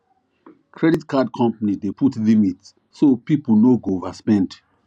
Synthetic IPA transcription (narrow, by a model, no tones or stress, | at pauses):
kʰɹɛditkʰad̚kʰɔ̃mpanidepʰutlimitsːopipl̩noɡovaspɛ̃nd